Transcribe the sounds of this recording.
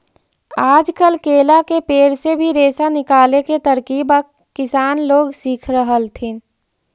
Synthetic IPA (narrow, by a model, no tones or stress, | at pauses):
aːd͡ʒkəlkeːlakepeːɾsebʱiɾeːsanɪkaːleket̪əɾkiːbəː | ɪsaːnloːɡsiːkʰɾəɦəlt̪ʰin